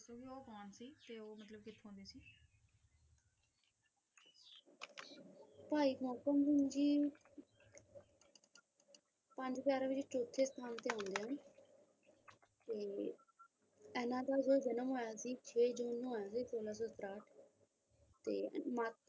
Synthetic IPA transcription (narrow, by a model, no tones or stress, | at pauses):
soːbiːoːkaːnsiːt̪eːoːmət̪ləb̚kɪt̪ʰːɦõːnd̪eːsiː | paːiːkɔːkəmbʊnd͡ʒiː | pəɲd͡ʒpjaːɾaːʋɪt͡ʃʈoːt̪ʰːeːst̪ʰaːnt̪eːãːnd̪eːɦãːn | t̪eː | ɛːnãːd̪aːzoːd͡ʒənəmɦoːjaːsiːt͡ʃʰeːd͡ʒoːnːoːjaːsiːsoːlaːs̬ot̪ɾaːʈʰ | t̪eːma